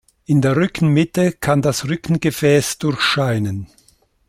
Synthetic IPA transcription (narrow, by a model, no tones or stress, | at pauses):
ʔɪndeːɐʁʏkn̩mɪtəkʰandasʁʏkn̩ɡəfɛːsd̥ʊɐçʃaɪnən